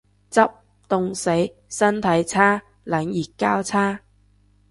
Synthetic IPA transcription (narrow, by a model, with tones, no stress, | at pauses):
t͡sɐ˥p̚ | t̪ʊ˨˧ŋse˨˥j | sɐ˥nt̪ʰɐ˨˥jt͡sʰaː˥ | lɐ˨˥njiː˨t̚kaː˥wt͡sʰaː˥